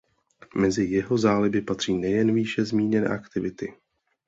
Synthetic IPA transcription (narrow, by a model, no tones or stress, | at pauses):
mɛzɪjɛɦo̞zaːlɪbɪpat̪r̥iːnɛjɛnviːʃɛzmiːɲɛnɛ̰ːʔakt̪ɪvɪt̪ɪ